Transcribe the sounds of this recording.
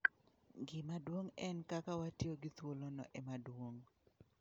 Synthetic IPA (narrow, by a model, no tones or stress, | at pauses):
ɡɪmadwoŋɛnkakawatjoɡɪt̪wolonɔ̰ʔɛmadwoŋ